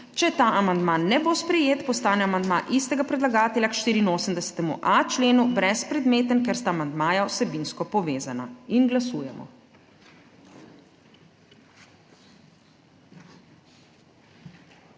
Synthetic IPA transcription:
t͡ʃɛt̪aʔamand̪manːɛbospɾɛjeːt̪pɔst̪aːnɛamand̪maʔist̪ɛɡapɾɛd̪laɡaːt̪ɛljakʃt̪iːɾiːnoːsəmd̪ɛsɛ̥t̪ɛmṵʔat͡ʃleːnubɾɛspɾɛd̪meːt̪ənkɛɾst̪aːmand̪maːjawsɛbinskɔpɔʋeːzana̰inɡlasuːjɛmɔ̰

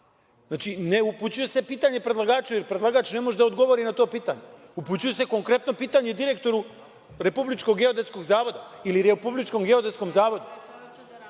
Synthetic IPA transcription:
znaːt͡ʃineuput͡ɕuje̞se̞piːt̪aɲe̞pɾelˠaɡaːt͡ʃujeɾpɾed̪lˠaɡaːt͡ʃnemo̞ʒd̪aod̪ɡo̞ʋo̞ɾinat̪o̞ːpiːt̪aɲe̞uput͡ɕuje̞se̞ko̞ŋkɾe̞t̪no̞piːt̪aɲed̪iɾe̞k̚t̪o̞ɾu | ɾe̞publit͡ʃkoɡeo̞d̪esko̞ɡzaːʋo̞d̪ailiɾepublit͡ʃko̞mɡeo̞d̪e̞t̪sko̞mzaːʋo̞d̪u

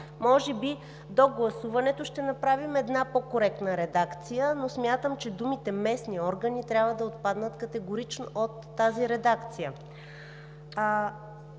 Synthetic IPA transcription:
mɔʒɛbi | d̪oɡlˠɐsuvɐnɛt̪ʊʃt̪ɛnɐpɾavimɛd̪napokoɾɛk̚t̪nəɾɛd̪akt̪sijənosmʲjat̪əmt͡ʃɛd̪umit̪ɛmɛsniɔɾɡənit̪ɾʲjabvəd̪ɐot̪̚pad̪nət̪kɐt̪ɛɡoɾit͡ʃnoʔot̪ːaziɾɛd̪akt̪sijə

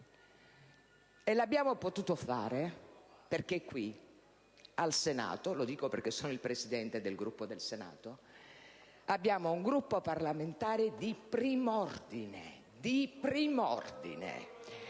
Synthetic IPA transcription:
elabːjaːmopot̪uːt̪ofaːɾeperk̟ekːwi | alsena̰ːt̪olod̪iːkoperkesːɔːnoilpɾesid̪ɛnt̪ed̪elɡɾupːod̪elsena̰ːt̪o | abːjaːmouŋɡɾupːoparlament̪aːɾed̪ipɾiːmɔrd̪inḛ | d̪ipɾiːmɔ̰rd̪ḭnḛ

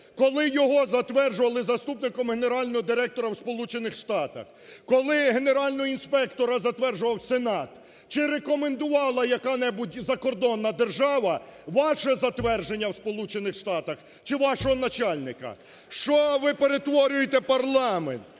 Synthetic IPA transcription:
kɔlˠɪjɔɦɔzɐt̪ʋɛrʒʊʋɐlˠɪzɐst̪upnɪkɔmɦeneɾɑlʲnɔɦɔd̪ɪɾɛk̚t̪ɔɾɐwspɔlˠut͡ʃenɪxʃt̪ɑt̪ɐ̰x | kɔlˠɪɦe̞ne̞ɾɑlʲnɔɦɔinspɛkt̪ɔɾɐzɐt̪ʋɛrʒʊʋɐwsenɑt̪ | t͡ʃɪɾekɔme̞nd̪ʊʋɑlˠɐjɐkɑnɛbutʲzɐkɔrd̪ɔnːɐd̪erʒɑʋɐʋɑʃɛzɐt̪ʋɛrʒenʲːɐwspɔlˠut͡ʃenɪxʃt̪ɑt̪ɐx | t͡ʃɪʋɑʃɔɦɔnɐt͡ʃɑlʲnɪkɐ̰ | ʃt͡ʃɔʋɪpeɾet̪ʋɔɾʲʊjet̪ɛpɐrlˠɑmḛnt̪

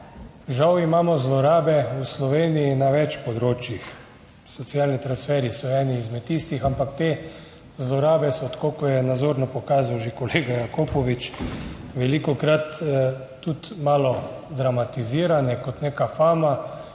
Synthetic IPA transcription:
ʒawimaːmɔzlɔɾaːbɛuslɔʋeːnijinaʋɛt͡ʃpɔd̪ɾoːt͡ʃjix | sɔt̪sjalnit̪ɾansfɛːɾisɔɛːniːzmɛt̪ːiːst̪ixampakt̪eː | zlɔɾaːbɛsɔt̪kokɔjɛnad̪zoːɾnɔpɔkaːzawʒekɔleːɡajakopɔʋit͡ʃʋɛlikɔkɾat̪ː | ut̪maːlɔ | d̪ɾamat̪iziːɾanɛkɔt̪neːkafaːma

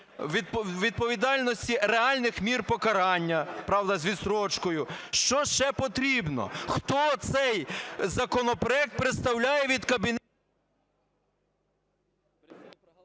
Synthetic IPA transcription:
ʋ̪ʲʋʲid̪̚pɔʋʲid̪ɑlʲnɔsʲtʲiɾeɑlʲnɪxmʲirpɔkɐɾɑnʲːɐpɾɑwd̪ɐzʲʋʲisɾɔt͡ʃkɔjʊʃt͡ʃɔʃt͡ʃɛpɔt̪ɾʲibnɔ̰xt̪ɔt̪sɛjzɐkɔnɔpɾɔɛk̚t̪̚pɾet̪st̪ɐwlʲajɛʋʲid̪kɐbʲin

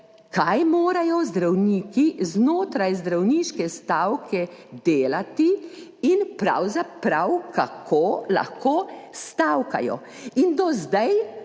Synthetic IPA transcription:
kajmoːɾajɔzd̪ɾawniːkiznoːt̪ɾajzd̪ɾawniːʃkɛst̪awkʰɛd̪eːlat̪i | inpɾa̰wzapɾawkakʰoːla̰xkoːst̪awka̰jɔ̰ | ind̪ɔzd̪aj

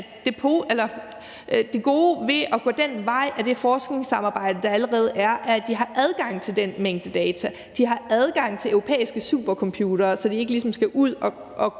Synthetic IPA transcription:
d̥e̝pʰo̝ːʔelɐ | d̥e̝ɡ̥o̝ːʋe̝ʔɒɡ̥ɔ̰ːd̥enʋɑ̈ɪ̰ʔæd̥e̝fɒːsɡ̥ne̝ŋsɑ̈mɑ̈ːb̥ɑ̈ɪ̰d̥əd̥ɑ̈æləʁɛːð̞̩ˠæɐʔæɐæd̥iɦɑ̈ʔæð̞ˠɡ̥ɑ̈ŋ̰t͡sʰe̝ld̥enmeŋ̰d̥əd̥ɛːt͡sʰæ | d̥iɦɑ̈æð̞ˠɡ̥ɑ̈ŋ̰t͡sʰe̝øʊʁopʰḛːisɡ̥əsṵːb̥ɐkʰɒ̽mpʰjuːɾ̥ɐːsɒ̽d̥ie̝ɡəlis̬ɒ̽msɡ̥æʔuð̰ˠɒ̽ | ʔɒ̽

